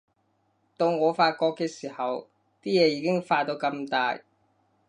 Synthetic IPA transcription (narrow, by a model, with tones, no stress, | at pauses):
t̪o˧wŋɔː˨˧faː˧t̚kɔː˧kːeː˧siː˨˩hɐ˨w | t̪iː˥jɛː˨˧jiː˨˧kɪ˥ŋfaː˧t̚t̪o˧wkɐ˧mt̪aː˧j